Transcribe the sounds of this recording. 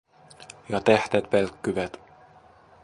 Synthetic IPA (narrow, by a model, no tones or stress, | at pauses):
jɑt̪eht̪et̪̚pelkːyʋæt̪